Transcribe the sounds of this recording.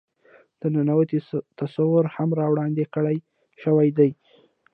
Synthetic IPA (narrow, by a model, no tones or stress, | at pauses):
d̪̥ənanawat̪it̪asawʊɾhamɾɑwɽɑnd̪ekəɽaj | ʃəwajd̪aj